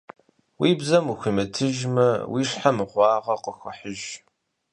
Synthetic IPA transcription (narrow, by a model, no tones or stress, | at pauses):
wiːbzɐmuxʷimɨtʰɨʒmɨwʔiːʂħamɨʁʷɑːʁɐqəxəħəʒ